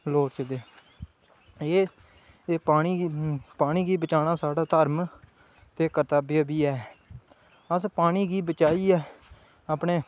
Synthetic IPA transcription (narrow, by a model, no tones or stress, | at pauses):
loːɾt͡ʃəd̪eː | eː | paːɽ̃iːpaːɽ̃iːɡiːbət͡ʃaːñãːsaːɽaːt̪əɾm | t̪eːkəɾt̪aːbjaːbiːɛː | əspaːɽ̃iːɡiːbət͡ʃaːiːɛː | aːpɳeː